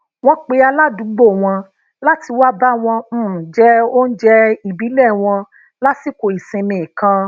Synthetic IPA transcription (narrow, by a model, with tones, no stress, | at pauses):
wɔ̃˦k͡pe˧a˧la˦du˨˦ɡ͡bo˦˨w̃ɔ̃˧ | la˦ti˧wa˦ba˦w̃ɔ̃˧˦˨d͡ʒɛ˦o˦n̩˦d͡ʒɛ˦i˨bi˨˦lɛ˦˨w̃ɔ̃˧ | la˦si˦˨ko˨i˨sẽ˧mĩ˨kã˧